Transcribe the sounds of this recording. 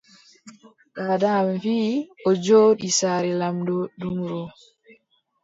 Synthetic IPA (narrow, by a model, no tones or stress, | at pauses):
kaːdamfiːʔɔd͡ʒoːɗisaːɾɛlamdɔdumɾɔ